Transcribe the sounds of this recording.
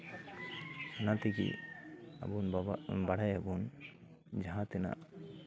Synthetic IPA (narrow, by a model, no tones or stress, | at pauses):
anat̪ikḭa̰bunbaɽ̤ajabun | d͡ʒaɦãt̪ina̰